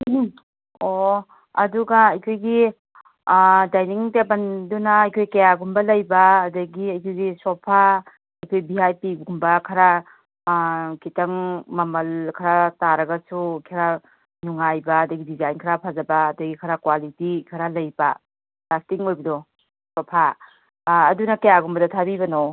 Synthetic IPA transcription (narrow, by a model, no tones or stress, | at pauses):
o | ɐduɡaɐjkʰojɡi | dajniŋtebandunaːjkʰojkajaɡumbɐlɐjbaːdɐɡiɐjkʰojɡisɔpʰa | ɐjkʰojbiɦajpiɡɡumbakʰaɾa | kitaŋmɐmɐlkʰɐɾataɾɐɡɐsukʰiɾa | nuŋajbaːdɐɡidizajnkʰɐɾapʰazɐbaːdɐɡikʰɐɾakwalitikʰɐɾalɐjba | lastiŋojbɐdɔ | sopʰaː | dunɐkɐjaɡumbɐdɐtʰabibɐno